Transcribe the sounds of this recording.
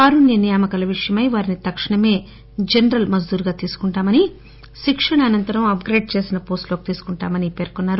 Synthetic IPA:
kaːɾunjɐnijaːmɐkɐlɐʋiʂɐjɐmɐjʋaːɾinit̪ɐkʂiɳɐme̞ː | d͡ʒenɾɐlmɐd͡ʒd̪uːɾɡaːt̪iːsu̥kuɳʈaːmɐni | ʃikʂɐɳɐːnɐnt̪ɐɾɐmɐp̚ɡɾeːɖ̚t͡ʃe̞ːsinɐpo̞ːsʈlo̞ːki̥t̪iːsu̥kuɳʈaːmɐnipe̞ːɾkonːaːɾu

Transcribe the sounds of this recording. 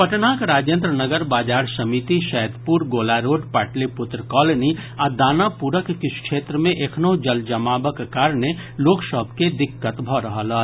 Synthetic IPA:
pɐʈnaːkɾaːd͡ʒjə̃nt̪ɾənəɡəɾbaːd͡ʒaːɾsɐmit̪iʃɛːd̪puːɾɡoːlaːɾoːɖpaːʈlepʊt̪ɾəkɔːləniad̪aːnapuɾəkkɪskʃeːt̪ɾəmẽʔekʰnoːɦd͡ʒɐld͡ʒəmaːbəkkaːɾneloːksɔbʱked̪ɪkːət̪bʱɔɾɐɦəlɐː

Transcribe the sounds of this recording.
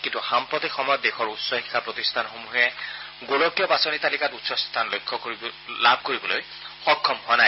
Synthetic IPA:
kintuxampɹɔtixɔmɔjɔt̚dexɔɹutsɔhikʰːapɹotistʰanxomuɦɛ | ɡolɔkjɔpasɔnitalikatutsɔstʰanlojkʰːɔklab̚ʱkoɹibɔloj | xɔkʰːɔmɦoanaj

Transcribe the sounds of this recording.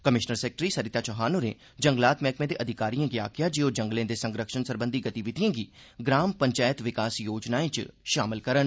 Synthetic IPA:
kəmɪʃnəɾsɛːk̚ʈɾiːsəɾɪt̪aːt͡ʃɔɦaːnoːɾḛ̃ː | d͡ʒəŋɡlaːt̪mɛːkmẽːd̪eːʔəd̪ʱɪkaːɾijãːɡia̰ːkjãːd͡ʒeːoːd͡ʒə̃ŋɡlẽːd̪eːsə̃ŋɡɾəkʃənsəɾbə̃nd̪iːɡət̪iʋɪt̪ijãːɡiː | ɡɾaːmpəɲt͡ʃaːjət̪ʋɪkaːsjoːd͡ʒnaːẽt͡ʃʃaːmɪlkəɾən

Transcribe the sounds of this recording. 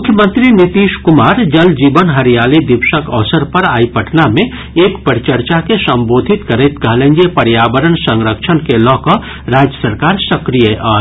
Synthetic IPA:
mʊkʰjəmə̃nt̪ɾinɪt̪iːʃkʊmaːɾd͡ʒɐld͡ʒiːbənɦɐɾijaːled̪ɪʋʃəkɔːsəɾpɐɾaːipɐʈʰnamẽ | eːkpəɾt͡ʃəɾt͡ʃakesɐ̃mboːd̪ʱɪt̪kəɾet̪ɡaːlẽŋɡepɐɾjaːbəɾənsə̃ŋɾəkʃʰənkelɔːkɔ | ɾaːd͡ʒjəsəɾkaːɾsɐkɾijəʔɔː

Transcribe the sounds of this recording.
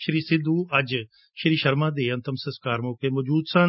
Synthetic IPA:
ʃɾiːsɪd̪uːəd͡ʒ | ʃɾiːʃəɾmãːd̪eːənt̪əmsəskaːɾmoːkeːmoːd͡ʒuːd̪sãː

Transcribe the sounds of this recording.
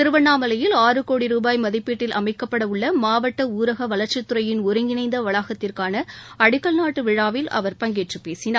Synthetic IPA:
t̪ɪɾɯʋɐnːaːmɐlɐjɪlaːrɯkoːɽiɾuːbaːjmɐðɪpːiːʈːɪlʔɐ̰mɐɪkːɐpːɐɽɐʊɭːɐmaːʋɐʈːɐuːɾɐɣɐʋɐɭɐɾt͡ʃɪt̪ːɯɾɐjɪnʊɾɪŋɡɪnɐɪnd̪ɐʋɐɭaːɣɐt̪ːɪrkaːnɐɐɽɪkːɐɭnaːʈːɯʋɪɻaːʋɪlɐ̰ʋɐɾpɐŋɡeːʈrɯpeːsɪnaː

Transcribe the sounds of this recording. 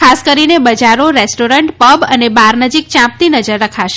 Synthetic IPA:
kʰaskəɾinebəd͡ʒaɾoɾesʈoɾəɳʈpəbənebaɾnəd͡ʒik̚t͡ʃãp̚t̪inəd͡ʒəɾːəkʰaʃe

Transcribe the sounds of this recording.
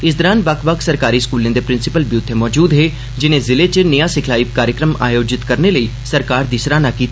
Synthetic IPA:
ɪs̬d̪ɔːɾãːnbəkʰʋəkʰsəɾkaːɾiːskuːlẽd̪epɾɪ̃nsɪpəlbjut̪ʰːemɔːd͡ʒuːd̪ɦeː | d͡ʒɪnẽːzɪlet͡ʃənəjãːsɪkʰlaːipkaːɾjəkɾəma̰ːjoːd͡ʒɪt̪kəɾneləiːsəɾkaːɾd̪ɪsɾãːnaːkiːt̪a

